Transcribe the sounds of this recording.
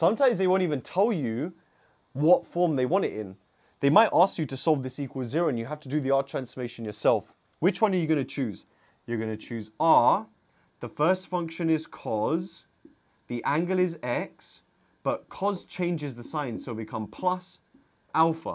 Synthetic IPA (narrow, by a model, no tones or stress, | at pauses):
sʌ̃mtʰãɪ̃mzðeɪwə̃ʊ̃ntivə̃ntʰɛlˠjɨ | wɒtfɔɹmðeɪwɑ̃ñɪɾɪ̃n | ðeɪmaɪʔɑˑskjɨɾəsɔlˠvðɪsiˑkʰwəlˠzɪɹəʊə̃njɨɦaftədɨðiɑˑɹtʰɹ̥æ̃nsfəmeɪʃə̃njə˞sɛlˠf | wɪt͡ʃwʌ̃nə˞jəɡʌnɨt͡ʃʰʉːz | jə˞ɡʌnɨt͡ʃʰʉːzə | ðəfɜˑ˞stfʌ̃ŋkʃə̃nɪz̥kʰɒz | ðiʔæ̃ŋɡəlˠɪzɛks | b̥ʌʔ̚kʰɒz̥t͡ʃʰẽɪ̃nd͡ʒɪzðəsãɪ̃nsoʊbɨkʰʌ̃mpʰl̥ʌs | ʔalˠfə̰